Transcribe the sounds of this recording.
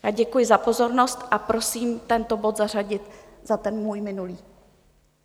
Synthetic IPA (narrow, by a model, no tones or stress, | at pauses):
jaːɟɛkujɪzapo̞zo̞ɾno̞st̪ʔapɾo̞siːmt̪ɛnt̪o̞bo̞t̪zar̝aɟɪt̪ | z̥at̪ɛnmuːjmɪnuliː